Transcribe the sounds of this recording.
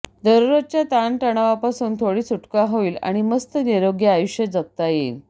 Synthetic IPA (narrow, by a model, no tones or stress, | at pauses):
d̪əɾuɾət̪̚t͡ɕjat̪anʈəɽ̃aʋapasuːnt̪ʰoɽiːt͡suʈkaɦoʋiːla̰ɽ̃iməst̪əniɾoɡjeajuɕjəd͡zək̚t̪ajel